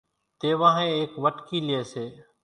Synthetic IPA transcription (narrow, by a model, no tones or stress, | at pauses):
t̪eːʋãːɦẽːeːkʋəʈkiːlɪeːseː